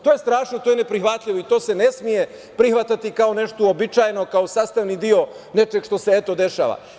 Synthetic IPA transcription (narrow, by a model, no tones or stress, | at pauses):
t̪o̞ːje̞st̪ɾaːʃnot̪ojenepɾixʋat̪ʎʲiʋoit̪oːse̞nesmije̞ | pɾixʋat̪at̪ikaone̞ʃt̪oobit͡ʃaːjeno̞kaosaːst̪aʋnid̪io̞ne̞t͡ʃeɡʃt̪o̞seet̪o̞d̪e̞ʃa̰ːʋa̰